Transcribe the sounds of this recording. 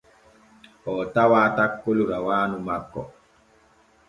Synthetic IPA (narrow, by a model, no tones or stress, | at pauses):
ɔtawaːtakːoluɾawaːnumakːɔ̰